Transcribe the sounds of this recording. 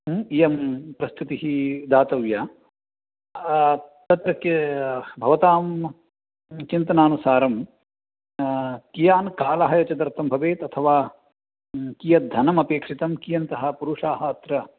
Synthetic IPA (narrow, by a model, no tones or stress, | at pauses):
ijɐmpɾɐst̪ʰut̪iɦid̪aːt̪ɐʋjaː | t̪ɐt̪ɾɐk | bʱɐʋɐt̪aːm | t͡ʃint̪ɐnaːnusaːɾɐm | kijaːnkaːlɐɦɐjɐt͡ʃɐd̪ɐɾt̪ʰːɐmbʱɐʋeːt̪ɐt̪ʰɐʋaː | kijɐd̪ʱɐnɐmɐpeːkʂit̪ɐmkijɐnt̪ɐɦɐ̆puɾuʂaːɦɐːt̪ɾɐ